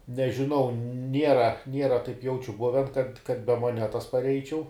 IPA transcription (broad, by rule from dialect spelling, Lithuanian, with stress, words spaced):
nʲɛʒʲɪˈnɐʊ ˈnʲiɛrɐ ˈnʲiɛrɐ tɐɪp ˈjɛʊt͡ʃʲʊ ˈbʊʋʲɛn kɐt kɐt bʲɛ moːˈnʲæːtɐs pɐrʲˈɛɪt͡ʃʲɛʊ